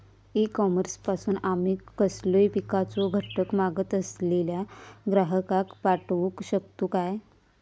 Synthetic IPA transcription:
ikɔməɾspasuːnamiːkːəslojpikat͡soɡʱəʈəkmaɡət̪əsleljaɡɾaɦəkakpaʈʋukɕəkt̪ukaj

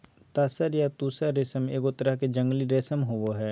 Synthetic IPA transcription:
t̪aːsəɾjat̪uːsaɾesəmeːkʊt̪əɾaked͡ʒə̃ŋɡliɾeːsəmɦoʋoɦɛː

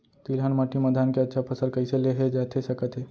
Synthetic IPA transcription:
t̪ilɦanməʈiməd̪ʱankeətːʃʰapʰəsəɾkəiseleɦed͡ʒat̪ʰesəkət̪ɦe

